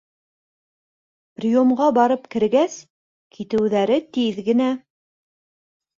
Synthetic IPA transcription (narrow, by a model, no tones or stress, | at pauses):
prʲomʁɑbɑɾɤpkɘ̆ɾɡæs | kʰit̪ɘ̆wðæɾɘt̪iðɡɘ̆næ